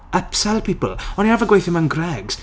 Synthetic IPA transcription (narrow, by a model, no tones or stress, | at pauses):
əpsɛlˠpʰiːpəlˠɔniavəɡwejθɪmanɡrɛɡz̥